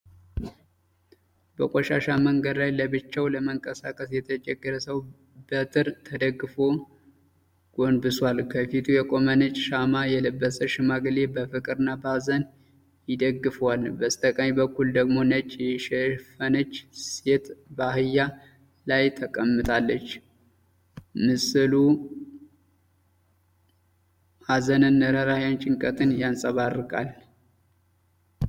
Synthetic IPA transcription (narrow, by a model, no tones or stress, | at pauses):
bəkʷʼoʃaʃaməŋɡəd̪lajləbɨt͡ʃːawləməŋkʼəsakʼəsjɛt̪ʰət͡ʃʼɛɡːəɾəsəw | bət̪ʰɨɾt̪ʰəd̪əɡːɨfo | ɡ̥o̞nbɨswalkʰəfit̪ʰujɛkʼo̞mənɨt͡ʃʼʃamajɛlɨbːəsəʃɪmaɡlebəfɨkʼɨɾɨnːabazən | jɪd̪əɡːɨfwalbəst̪ʼəkʼamibəkːuld̪əɡmo̞nət͡ʃʼːjɛʃɛfənət͡ʃːset̪bahɨjːa | lajt̪ʰəkʼəmːɨt̪ʰʼalːət͡ʃː | mɨsɨlu | hazənɨnːəɾəɾahjant͡ʃʼɪŋkʼət̪ɨnjansʼəβarɨkʼa̰l